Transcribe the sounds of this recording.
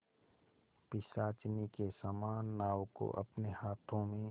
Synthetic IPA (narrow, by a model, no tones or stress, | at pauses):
pɪsaːt͡ʃnikesaːmaːnːaːʋko̰ʔɐ̰pnehaːt̪ʰõmẽ